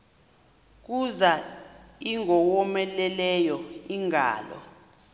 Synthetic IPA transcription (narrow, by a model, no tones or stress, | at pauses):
k̬uzaiŋɔwɔmɛlɛlɛjɔiŋa̰ːlɔ̰